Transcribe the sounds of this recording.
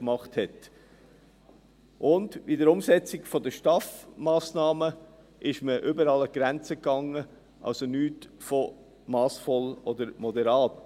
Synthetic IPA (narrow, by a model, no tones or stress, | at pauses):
kmɑχthɛt | ʔʊndidəɾʊmsɛt͡sɪɡfɔd̪əʃtɑfmɑːsnɑːmə | ʔɪʃməʔʏbəɾɑləɡ̥ɾænt͡səkɑŋːə | ʔɑ̰lsonyːtfɔ | mɑːsfɔlɔd̪əɾmɔd̪ɛɾɑːt